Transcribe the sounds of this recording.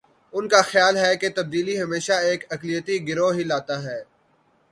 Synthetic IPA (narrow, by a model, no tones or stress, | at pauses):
ʊnkaxjaːlɦɛket̪ɐb̚d̪iːliɦɐmeːʃaeːkɐklijət̪iɡɪɾoɦilaːt̪aɦɛː